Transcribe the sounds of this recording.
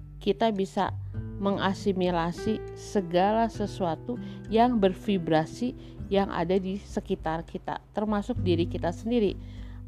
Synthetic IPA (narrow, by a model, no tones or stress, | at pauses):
kit̪abisa̰məŋasimilasisəɡalasəsuat̪ujaŋbərfibɾasi | jaŋʔa̰dadisəkit̪arkit̪a̰t̪ərmasʊk̚diɾikit̪asəndiɾi